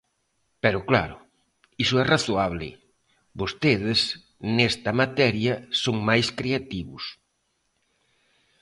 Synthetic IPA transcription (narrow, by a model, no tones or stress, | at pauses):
pɛɾʊklaɾʊ̰ | isʊɛraθoaβ̞lɪ̰ | bost̪eðɪs | nɛst̪ɐmat̪ɛɾjɐsoŋmajskɾeat̪iβʊs